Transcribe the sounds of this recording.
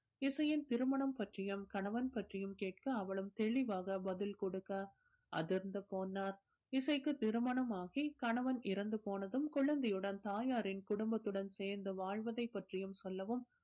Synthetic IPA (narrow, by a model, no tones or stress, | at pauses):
ɪsɐjɪnt̪ɪɾɯmɐɳɐmpɐʈrɪjɐmkɐɳɐʋɐnpɐʈrɪjɯmkeːʈ̚kɯɐʋɐɭɯmt̪ɛɭɪʋaːɣɐbɐðɪlkɔɽɯkːɐ | ʔɐ̰ðɪɾɯnd̪ɯpoːnːaːɾ | ɪsɐɪkːɯt̪ɪɾɯmɐɳɐmaːɣikɐɳɐʋɐnɪɾɐnd̪ɯpoːnɐðɯmkʊɭɐnd̪ɛjɯɽɐnt̪aːjaːɾɪnkʊɽʊmbɐt̪ːɯɽɐnseːɾnd̪ɯʋaːɻʋɐðɐɪpːɐʈrɪjɯmsɔlːɐʋɯm